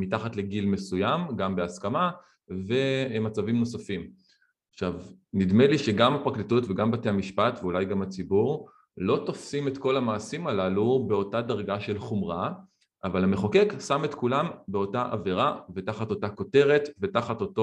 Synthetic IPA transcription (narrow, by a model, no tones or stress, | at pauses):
mitaχatle̞ɡilme̞sujamɡambeaskama | ve̞mat͡savimno̞safim | aχʃav | nidme̞liʃe̞ɡamapʁaklitutveɡambateamiʃpatveulajɡamat͡sibuʁ | lo̞tofsime̞tko̞lamaːsimalalube̞o̞tadaʁɡaʃe̞lχumʁa | ʔavalame̞χoke̞ksametkulambeo̞taʔa̰veʁave̞taχato̞tako̞te̞ʁe̞tve̞taχato̞to